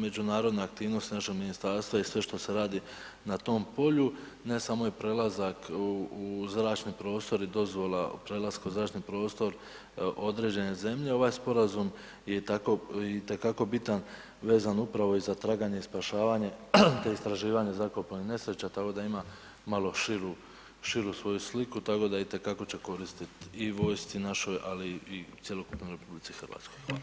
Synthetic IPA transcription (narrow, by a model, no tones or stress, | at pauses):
me̞d͡ʒunaːɾo̞d̪neak̚t̪iːʋno̞st̪inaʃe̞ɡminist̪aːɾst̪ʋaisʋe̞ʃt̪o̞se̞ɾaːd̪i | nat̪o̞ːmpo̞ʎu | ne̞saːmo̞jepɾe̞ːlazakuuzɾaːt͡ʃnipɾo̞ːst̪o̞ɾid̪o̞zʋo̞lˠa̰ṵpɾe̞lˠaskauzɾaːt͡ʃnipɾo̞ːst̪o̞ɾ | ʔo̞d̪ɾe̞ːd͡ʑe̞ne̞ze̞mʎe̞o̞ʋaːjspo̞ɾazum | jet̪ako̞it̪e̞kako̞bit̪an | ʋe̞ːzanupɾaʋo̞izat̪ɾaːɡaɲeispaʃaːʋaɲe̞t̪eist̪ɾaʒiːʋaɲe̞zakopanine̞sɾe̞t͡ɕat̪ako̞d̪aima | malo̞ʃiɾu | ʃiɾusʋo̞juslikut̪ako̞d̪ait̪e̞kako̞t͡ɕe̞ko̞ɾist̪it̪iʋo̞jst̪sinaʃo̞jaliːt̪sjelo̞kupnojɾe̞publitsixrɾʋa̰ːt̪skoja